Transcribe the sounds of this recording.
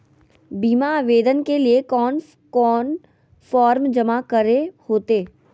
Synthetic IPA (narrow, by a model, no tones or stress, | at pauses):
biːmaʋeːd̪ənkeliekɔːn | kɔːn | fɔːɾmd͡ʒɐmakəɾehoːt̪eː